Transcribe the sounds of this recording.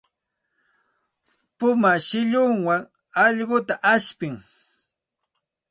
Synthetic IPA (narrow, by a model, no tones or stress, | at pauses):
pʊmaʃɪʎʊŋwaŋ | ɑʎɢʊt̪aʔaʃpɪŋ